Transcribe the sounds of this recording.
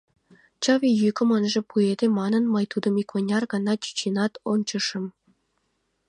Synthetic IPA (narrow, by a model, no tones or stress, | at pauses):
t͡ɕɑβʲijykə̆mɤnʒĕpued̪emɑnə̆nməjt̪ud̪ə̆mikʰonʲɑrɡɑnɑt͡ɕy̥t͡ɕenɑt̪ont͡ɕəʃɤ̆m